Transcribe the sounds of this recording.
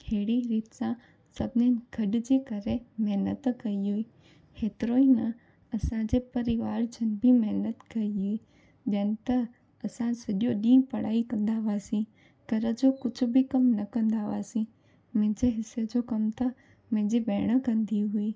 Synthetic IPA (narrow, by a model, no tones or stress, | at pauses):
heːɽiɾiːt̪sã | sɐbʱɪnen̆ɡ̥ʱɐɗd͡ʑeːkɐɾemɛɦnət̪kɐiɦuiː | heːt̪ɾoːinɐ | ɐsãd͡ʑepɐɾɪʋaːɾd͡ʑɐnbʱimɐɦnət̪kɐiɦui | ʄɐ̃ːnɪ̆t̪ɐ | ɐsãsɐɗijoɗĩːpɐɽ̤aːikɐ̃nd̪aːʋaːsĩ | kɐɾəd͡ʑokʊd͡ʑʱʊbʱikɐmnɐkɐ̃nd̪aːʋaːsĩ | mẽɦd͡ʑeɦɪsed͡ʑokɐmt̪ɐ | mẽɦd͡ʑibɛːɽ̃əkɐ̃nd̪ʱiɦʊiː